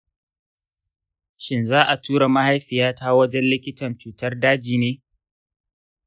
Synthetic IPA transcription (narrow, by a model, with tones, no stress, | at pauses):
ʃɪ˦nzaː˦ʔa˨tʰuː˦ɽa˨ma˦ha˦jɸɪ˨jaː˦taː˦wɐ˦d͡ʒɛ˦nlɪ˦kʲɪ˦tɐ˨nt͡ʃuː˨tɐ˦rdaː˦d͡ʒiː˨neː˦